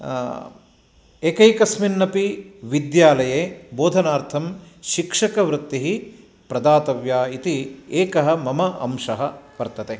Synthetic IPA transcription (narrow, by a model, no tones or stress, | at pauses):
eːkɐjkɐsminːɐpiʋid̪jaːlɐjeːboːd̪ʱɐnaːɾt̪ʰɐm | ʃikʂɐkɐʋɾut̪ːiɦi | pɾɐd̪aːt̪ɐʋjaːit̪ieːkɐɦɐmɐmɐʔɐ̰mʂɐɦɐpɐɾt̪ɐt̪e